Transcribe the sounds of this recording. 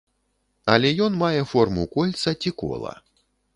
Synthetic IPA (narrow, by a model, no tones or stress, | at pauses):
ɐ̰lʲɛjɔnmajɛfɔrmṵkɔlʲt̪sɐt͡sʲikɔ̰lˠɐ̰